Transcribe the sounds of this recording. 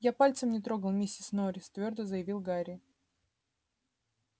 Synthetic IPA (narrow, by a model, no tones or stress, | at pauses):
japalʲt̪səmnʲɪt̪ɾo̞ɡəlˠmʲesʲɪsnoɾʲɪst̪vʲo̞rd̪əzəjɪvʲilˠɡaɾʲɪ